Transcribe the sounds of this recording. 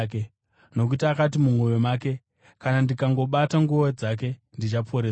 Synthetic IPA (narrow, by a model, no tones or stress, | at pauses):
ke | no̞k̬utakat̬imumwojemaːke̞ | kanandikaŋɡo̞ɓataŋɡuʋod͡zak̬e̞ndit͡ʃapʰo̞ɾeː